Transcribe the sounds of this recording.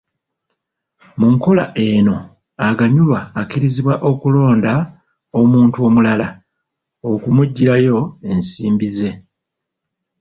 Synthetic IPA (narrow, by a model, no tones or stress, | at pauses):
muŋko̞la̰ʔe̞no̞ | aɡaɲulwaːkiɾiziβwaʔo̞kulo̞ːnda | o̞muːntuo̞mulala | o̞kumuɟːiɾajo̞e̞nsiːmbize̞